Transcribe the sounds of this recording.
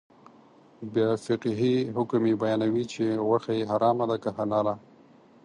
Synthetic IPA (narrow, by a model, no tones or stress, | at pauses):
bjɑfɪqɦiɦʊkmebajɑnawit͡ʃeɣwaxajeɦaɾɑmad̪akahanɑla